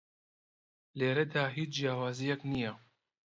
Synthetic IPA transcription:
leːɾɛd̪aːɦiːt͡ʃd͡ʒjaːwaːzijɛknijɛ

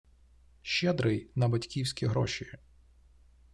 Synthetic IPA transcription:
ʃɛd̪ɾɪjnɐbɐtʲkʲiwsʲkʲiɦɾɔ̰ʃi

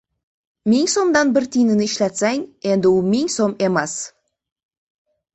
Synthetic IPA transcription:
miŋso̞md̪ɑnbɪɾt̪ʰijnɪnɪːʃlæt̪sæŋe̞nd̪ɪwumɪŋso̞memes

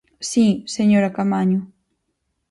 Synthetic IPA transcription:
siseɲoɾakamaɲo

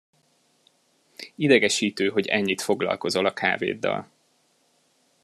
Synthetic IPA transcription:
id̪ɛɡɛʃiːt̪øːɦo̞ɟɛɲːit̪fo̞ɡlɒ̰lko̞zo̞lɒkʰa̰ːvḛːd̪ːɒ̰l

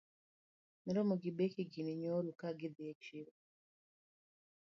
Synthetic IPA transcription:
niɾomuɡibekiɡiniɲoɾukaɡideet͡ʃiɾo

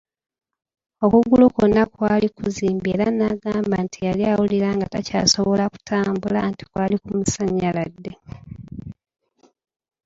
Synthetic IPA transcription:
o̞kuɡulokonːakwaːlikuziːmbie̞ːɾanaːɡaːmbantʰijaliawuliɾaːŋɡataca̰ːsoβo̞laku̥tʰaːmbula̰nti̥kwaːlikumusaɲːaladːe

